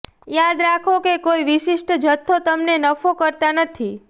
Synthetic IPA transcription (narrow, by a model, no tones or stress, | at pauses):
jad̪ɾakʰokekoiʋiʃiʃʈəd͡ʒʱət̪ʰːot̪əmnenəfokəɾt̪anət̪ʰi